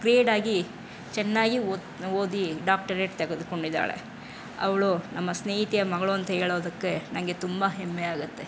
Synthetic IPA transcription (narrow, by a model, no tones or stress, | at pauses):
kɾieːɖaːɡi | t͡ʃɛnːaːɡi | oːd̪iɖaːk̚ʈɐɾeːʈt̪eɡed̪uko̞ɳɖid̪ːa̰ːɭḛ | ɐ̰ʋɐɭunɐmːɐsneːɦit̪ijɐmɐɡɐɭuɐnt̪ɐɦeːɭoːd̪ɐkːe̞nɐŋɡe̞t̪umbɐɦemːeaːɡut̪ːe̞